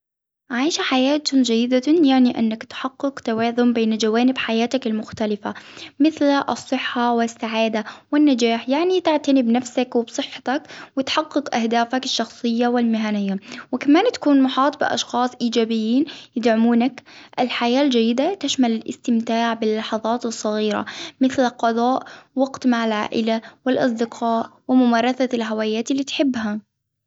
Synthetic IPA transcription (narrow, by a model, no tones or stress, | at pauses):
ʕajʃaħajaːt̪ʊd͡ʒajːɪd̪ajaʕniʔa̰nːakt̪ħɑqːɨqt̪awɑːðˤʊmbeːnad͡ʒawaːnɪbħajaːt̪akɪlmʊxt̪alɪfamɪθlʔɨ̰sˤːɨħːawɪsːaʕaːd̪awɪnːad͡ʒaːħjaʕnit̪aʕt̪anɪbnafsakwɪbsˤɨħːɑ̥t̪akwɪt̪ħɑqːɨqʔahd̪aːfakɪʃːɑxsˤɨjːawɪlmɪɦanɪjːawɪkamaːnt̪ḁkuːnmʊħɑːt̪ˤbɪ̰ʔɑ̰ʃxɑːsˤʔiːd͡ʒaːbɪjːiːnjɪd̪ʕʊmuːnakʔɪlħajaːld͡ʒajːɪd̪at̪aʃmalɪlʔɪ̰st̪ɪmt̪aːʕbɪlːɑħɑðˤɑːt̪ɨsˤːɑɣiːɾa̰mɪθlqɑðˤɑːʔwɑɡt̪maʕalʕa̰ːʔɪlawɪlʔɑ̰s̬ˤd̪ɪqʰɑːʔwɪmʊmaːɾˤɑθalɦawaːjaːt̪ɪlːiːt̪ħɪbːɦa